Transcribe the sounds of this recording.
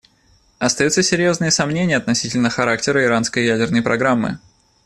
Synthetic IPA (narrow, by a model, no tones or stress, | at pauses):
ɐst̪ɐjut̪səsʲɪɾʲjo̞znɨjəsɐmnʲenʲɪjəɐt̪nɐsʲitʲɪlʲnəxɐɾak̚tʲɪɾəɪɾanskəjjædʲɪrnəjpɾʔɐɡɾamːɨ̰